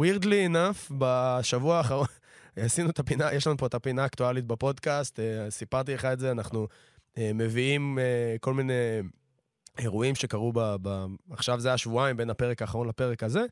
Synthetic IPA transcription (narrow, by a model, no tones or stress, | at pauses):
wiʁd̪linafbaʃavuaːχaʁon | asinuet̪apinajeʃlanupo̞et̪apinaːkt̪ualit̪̚bepo̞d̪kast̪esipaʁt̪̬ileχaetze̞anaχnu | eme̞viimeko̞lmine̞ | eʁuimʃe̞kaʁubabaːχʃavzeajaʃvuaimbe̞nape̞ʁekaːχaʁo̞nlape̞ʁekaze̞